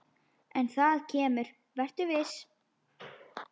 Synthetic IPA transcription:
ɛnθaðcʰɛːmʏɾ̥ | vɛr̥t̪ʏvɪs

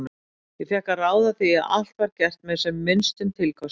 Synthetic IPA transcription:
n | jɪfɛhkaraːwðaθiaa̰l̥t̪vaɾcɛr̥t̪mɛðsɛmːɪnst̪ʏmt̪ʰɪlkʰɔs

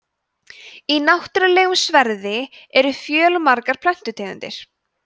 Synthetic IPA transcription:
inawht̪ɾalɛːɣʏmsvɛɾðɪɛɾʏfjœːlmaɾkaɾ̥pʰlɛn̥t̪ʏt̪ʰɛːkʏ̰nt̪ɪ̰ɾ̥

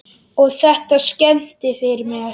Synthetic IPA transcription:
ɔɣθɛht̪ascɛn̥t̪ɪfɪɾɪmɛɣa

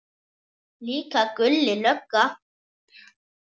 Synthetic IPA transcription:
liːkakʉlːɪlœkːa

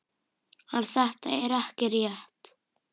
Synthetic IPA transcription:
hanθɛht̪aɛɾahcɪɾjɛht̪

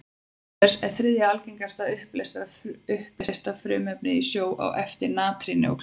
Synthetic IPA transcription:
ɛsɛɾ̥θɾɪðjaalceŋkast̪aʏhplest̪aʏhplst̪afɾʏːmœpnɪisjoːwʔa̰wʔɛft̪ɪɾnaːt̪ɾɪnɪɔ̰k

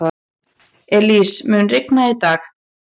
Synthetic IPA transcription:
ɛlismʏːnrɪknait̪aːx

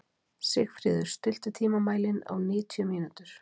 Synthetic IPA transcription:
sɪxfɾɪːðʏɾ̥st̪ʏl̥t̪ʏt̪ʰiːmamaːjlɪna̰wnɪːt̪ʰiʏmiːnut̪ʏɾ̥

